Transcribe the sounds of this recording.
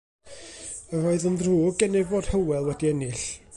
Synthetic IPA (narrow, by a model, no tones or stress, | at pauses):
əvoːɨðənðruːɡɡɛnɪvboːd̥həwɛlˠwɛdiɛnɪɬ